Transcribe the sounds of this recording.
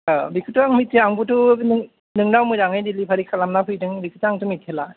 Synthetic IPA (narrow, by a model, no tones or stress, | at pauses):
abikʰɯtɯaŋmit̚ːeaŋbutʰunɯ | nɯŋnawmɯjɾaŋɯjdilipʰaɾikʰalamnapʰɯjdɯŋbikʰɯtaŋtʰumit̚ʰela